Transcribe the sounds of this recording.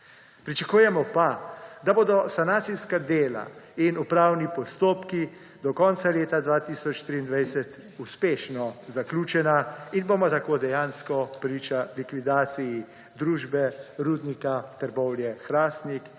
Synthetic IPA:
pɾit͡ʃakuːjɛmɔpad̪aboːd̪ɔsanaːt̪sijskad̪eːla̰inupɾaːwnipɔst̪oːpki | d̪ɔkɔntsaleːt̪ad̪ʋaːt̪iːsɔt͡ʃt̪ɾiːnd̪ʋajsɛt̪ | uspeːʃnɔzaklʲuːt͡ʃɛnainbomat̪akoːd̪ɛjaːnskɔpɾiːt͡ʃalikʋid̪aːt̪siji | d̪ɾuːʒbɛɾuːd̪nikat̪əɾbɔwljɛxɾaːst̪nik

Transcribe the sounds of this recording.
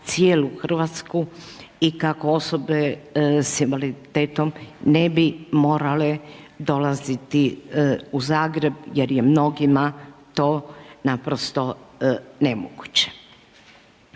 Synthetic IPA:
t̪sjeːluxr̩ʋat̪sku | ikakoo̞so̞be̞sinʋalit̪eːt̪omnebimo̞ːɾale̞ | d̪o̞lazit̪i | uzaːɡɾe̞bjeɾjemno̞ɡimat̪o̞ːnapɾost̪o̞nemoɡut͡ɕe̥

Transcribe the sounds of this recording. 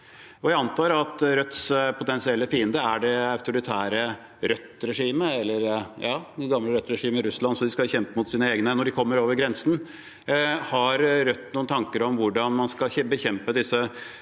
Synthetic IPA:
ɔjæɪɑnt̪ʰɑːɾɑt̪ɾœt̪spʰʊt̪ɛnsɪɛlːəfiːənd̪əæɖɛɑʉt̪ʊɾɪt̪ʰæːɾə | ɾœt̪ːɾɛʂiːməɛlːəɾjɑːɛɡɑmləɾœt̪ːɾɛʂiːməɾʉslɑnsɔd̪ɪskɑçɛmpəmʊt̪siːnəeːɡnənɔɖɪkʰɔmːəɾoːʋəɾɡɾɛnsn̩ | hɑɾɾœt̪ːnuːnt̪ʰɑŋkəɾɔmʋʊɖɑnmɑnskɑɛbəçɛmpəd̪ɪsːə

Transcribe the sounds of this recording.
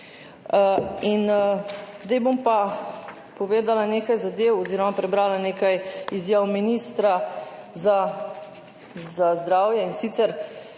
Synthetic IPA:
in | zd̪ɛjbompa | pɔʋeːd̪alaneːkajzad̪eːwɔziːɾɔmapɾɛbɾaːlaneːkajizjaːwminist̪ɾaza | zazd̪ɾaːwjɛinsit̪sɛɾ

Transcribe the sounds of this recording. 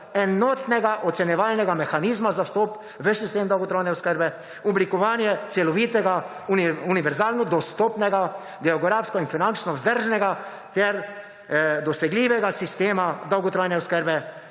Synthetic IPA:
ɛnɔːt̪nɛɡaʔɔt̪sɛnjɛʋaːlnɛɡamɛxaniːzmazawst̪ɔp | ʋəsist̪eːmd̪ɐwɡot̪ɾojnɛɔskəɾbɛ | ɔblikɔʋaːnjɛt̪sɛlɔʋiːt̪ɛɡa | uuniʋɛɾzaːlnɔd̪ɔst̪ɔːpnɛɡa | ɡɛɔɡɾaːfskɔinfinant͡ʃnɔwzd̪əɾʒnɛɡa | t̪ɛɾ | d̪ɔsɛɡliːʋɛɡasist̪eːmad̪ɐwɡɔt̪ɾoːjnɛɔskəɾbɛ

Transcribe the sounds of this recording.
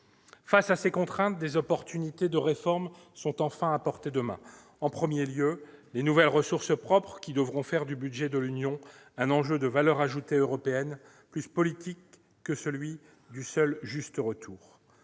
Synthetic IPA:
fasasekɔ̃t̪χɛ̃t̪̚d̪ezɔpɔʁt̪ynit̪ed̪əʁefɔʁm | sɔ̃t̪ɑ̃fɛ̃apɔʁt̪ed̪əmɛ̰̃ | ɑ̃pχəmjeljølenuvɛlʁəsuʁsəpχɔpχəkʲid̪əvʁɔ̃fɛʁd̪ybyd̪ʒɛd̪əlynjɔ̃ | ɛ̃nɑ̃ʒød̪əvalœʁaʒut̪eøʁɔpeɛn | plyspɔlit̪ʰikː | əsəlɥi | d̪ysœlʒyst̪əʁət̪ʰuːʁ

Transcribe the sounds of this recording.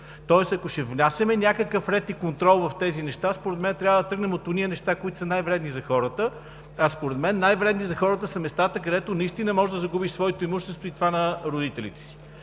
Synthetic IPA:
t̪ɔɛsɐkoʃɛvnʲasʲɐmɛnʲakəkəfɾɛt̪ikont̪ɾɔlˠvɐft̪ɛzinɛʃt̪aspoɾɛt̪mɛnt̪ɾʲavəd̪ɐt̪ɾɤɡnɛmot̪onijənɛʃt̪akoit̪o̥sənajvɾɛd̪nizɐxɔɾət̪ə | ɐspoɾɛd̪mɛnːajvɾɛd̪nizɐxɔɾət̪əsɐmɛst̪at̪əkɐd̪ɛt̪onɐist̪inɐmɔʒɛd̪ɐzɐɡubiʃsvɔɛt̪oimuʃt̪ɛst̪voit̪vanɐɾod̪it̪ɛlḭt̪ɛ̥si̥

